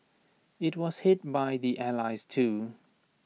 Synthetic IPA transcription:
ɪt̚wɔz̥hɪt̚baɪðiʔælaɪztʰu

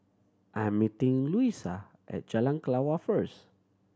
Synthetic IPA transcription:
ʔamːit̪ĩŋluisa | ʔɛ̰t̪̚d͡ʒalaŋklawafɛɹs

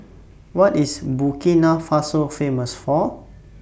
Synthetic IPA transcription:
wɔtisbukĩnafasofẽməsfɔ

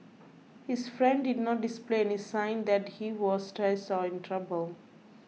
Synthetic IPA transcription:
hizfɾɛ̃nɖɖɪɖnɔʈ̚ɖispleenisãɪ̃nd̪æʈhiʋɔzʈɾɛsʈɔɪ̃nʈʰɾabəlˠ

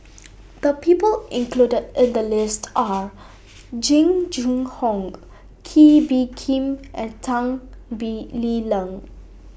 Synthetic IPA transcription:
d̪̥əpipəlɪ̃ŋkludədɪ̃nd̪əlɪstʰʔa | d͡ʒĩŋd͡ʒũŋhɔ̃ŋ | kʰibikʰĩmʔɛ̃ntʰãŋbililə̃ŋ

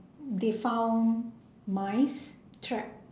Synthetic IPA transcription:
defãʊ̃n | maɪs | tʰɹɛk̚

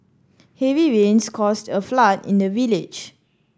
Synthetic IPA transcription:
hɛviɹẽnskʰɔstəflatḭ̃ndəvilɪd͡ʒ

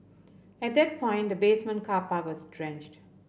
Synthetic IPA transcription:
ɛʈ̚d̪ɛʈ̚pʰɔ̃ɪ̃nʈd̪əbeːsmə̃nkʰaːpaʋɔzdɾɛ̃nd͡ʒʈ

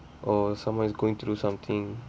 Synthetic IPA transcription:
ʔɔsãmãzɡoːɪ̃ŋt̪ʰɾuːsʌ̃mt̪ʰɪ̃ŋ

